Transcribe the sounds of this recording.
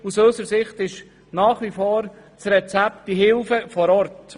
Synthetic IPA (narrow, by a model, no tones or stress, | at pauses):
usøʏsəɾsɪχtɪʃ | naːχʋifɔːɾ | t͡sɾɛt͡sæp̚t̚d̥iɦɪlfəfɔɾɔɾt